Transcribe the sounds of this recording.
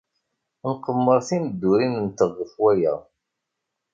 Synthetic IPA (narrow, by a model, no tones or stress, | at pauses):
nqəmːəɾˤθiməd̪ːuɾinənt̪əʁːəfwæjæ̰